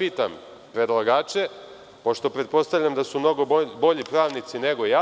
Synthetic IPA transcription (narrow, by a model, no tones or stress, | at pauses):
iːt̪am | pɾe̞d̪lˠaɡaːt͡ʃe | po̞ʃt̪o̞pɾe̞t̪̚po̞st̪aʋlʎamd̪asumno̞ɡo̞bobo̞ʎipɾaːʋnit̪sine̞ɡo̞ja